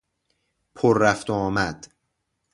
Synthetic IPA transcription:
pʰoɾːæft̪oɒːmæd̪̥

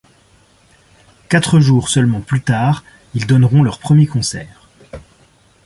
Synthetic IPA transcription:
kat̪χəʒuːʁsœlmɑ̃plyt̪aːʁ | ild̪ɔnʁɔ̃lœʁpχəmjekɔ̃sɛːʁ

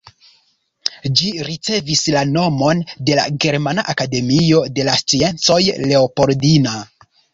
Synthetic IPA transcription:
d͡ʒiɾit͡se̞vislano̞mo̞nde̞la̰ɡe̞ɾmanaʔakade̞mio̞de̞last͡sie̞nt͡so̞jle̞opo̞ɾdina

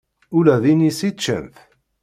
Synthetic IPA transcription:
ʊlæðinisit͡ʃːə̰nθ

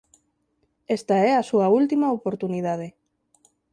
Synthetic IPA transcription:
est̪aɛɐsuɐult̪imɐopoɾt̪uniðað̞e

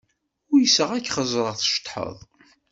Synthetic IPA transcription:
ʊɾjəsəʁækːχəzˤɾˤəʁθʃt̪ˤːħə̰ðˤ

